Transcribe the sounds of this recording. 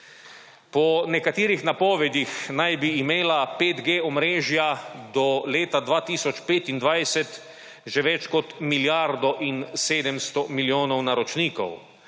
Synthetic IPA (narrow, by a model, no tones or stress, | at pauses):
pɔnɛkat̪iːɾixnapɔːʋɛd̪ixnajbiːmeːlapeːd̪ɡeːɔmɾeːʒjad̪ɔleːt̪ad̪ʋaːt̪iːsɔt͡ʃpeːt̪ind̪ʋajsɛt̪ | ʒɛʋɛt͡ʃkɔt̪miljaɾd̪ɔʔinseːd̪ɛmst̪ɔmiljoːnɔwnaɾɔt͡ʃniːkɔ̰w